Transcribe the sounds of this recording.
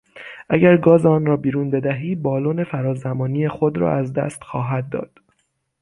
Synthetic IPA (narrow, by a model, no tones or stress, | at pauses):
ʔæɟæɾɡɒːzeɒːnɾɒːbiːɾuːnbe̞d̪æɦiːbɒːloːne̞fæɾɒːzæmɒːnije̞xod̪ɾɒ̰æzd̪æ̰st̪xɒːɦæd̪̚ːɒ̰ːd̪̥